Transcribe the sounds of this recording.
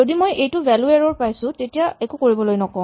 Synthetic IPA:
zodimojʔejtʊvʱɛlueɹɔɹpajsʊ̃tetijaɛkukoɹibɔlojnɔkɔ̃

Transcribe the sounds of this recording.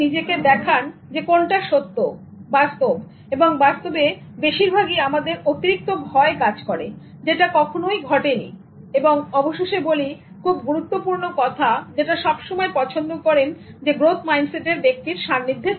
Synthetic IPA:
id͡ʑeked̪ɛkʰand͡ʑekonʈaʃot̪ːo | bast̪ob | eboŋbast̪obe | beʃiɾbʱaɡiamad̪eɾot̪iɾik̚t̪obʱɔekad͡ʑkɔɾḛ | d͡ʑeʈakɔkʰonojɡʱɔʈenḭ | eboŋɔboʃeʃeboli | kʰub̚ɡuɾut̪ːopuɾnokɔt̪ʰad͡ʑeʈaʃɔbʃomɔepɔt͡ɕʰond̪okɔɾen | d͡ʑeɡɾot̪ʰmajnseʈeɾbek̚t̪iɾʃamnid̪ʱːe

